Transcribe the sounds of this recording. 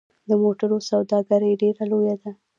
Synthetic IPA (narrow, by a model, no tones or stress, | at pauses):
d̪əmoʈaɾosawd̪ɑɡaɾəjɖeɾalojad̪a